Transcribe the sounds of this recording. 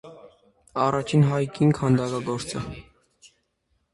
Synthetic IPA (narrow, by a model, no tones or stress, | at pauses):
ɑrɑt͡ʃʰinɦɑjkiŋkʰɑnd̪ɑkɑɡɔɾt͡sə